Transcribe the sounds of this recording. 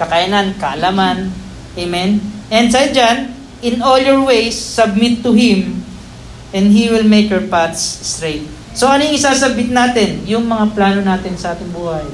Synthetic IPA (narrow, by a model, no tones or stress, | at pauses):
kɐkajɐnankɐʔɐlaman | ʔemɛnʔɛ̃nd̪sɐjd͡ʒan | ɪ̃noljoɹwejsːɐb̚mɪt̪ːʊɦɪm | ʔɛ̃nd̪hiwɪlmejkhɛɹpaɹt̪sːt̪ɾejt̪̚ | soɐnjɪŋɪsaːsɐbɪt̪̚naːt̪ɪnjʊŋmɐŋaplaːnonaːt̪ɪnsɐʔaːt̪ɪŋbuːhɐj